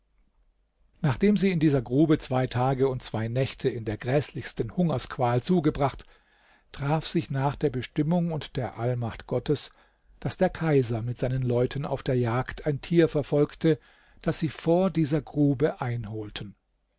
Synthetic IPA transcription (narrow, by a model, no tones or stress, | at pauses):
naːχd̥eːmziːɪndiːzɐɡʁuːbət͡sv̥aɪtʰaːɡəʊnt̚t͡sv̥aɪnɛçtʰəɪndeːɐɡʁɛːslɪçstən̩hʊŋɐskv̥aːlt͡suːɡəbʁaχt | tʁ̥aːfz̥ɪçnaːχd̥eːɐbəʃtɪmʊŋʊntd̥eːɐʔalmaχtɡ̥ɔtʰəs | d̥asd̥eːɐkʰaɪzɐmɪtz̥aɪnənlɔʏtʰəna̰ʊfd̥eːɐjaːktʰaɪntʰiːɐfɛɐfɔlktə | d̥asz̥iːfoːɐdiːzɐɡʁuːbəʔaɪnɦoːltʰən